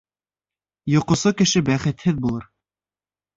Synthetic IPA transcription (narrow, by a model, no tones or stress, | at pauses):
jŏqŏsokɘ̆ʃɘbæχɘ̆t̪hɘðbulˠɤɾ